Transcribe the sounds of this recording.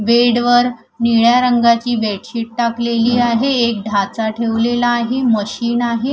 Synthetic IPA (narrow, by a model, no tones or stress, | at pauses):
ʋeɽʋəɾ | niɭjaɾəŋɡat͡ɕiːbeʈɕiːʈ̚ʈakleliːaɦeek̚d̪ʱat͡saʈʰeʋlelaːɦeməɕiːnaɦe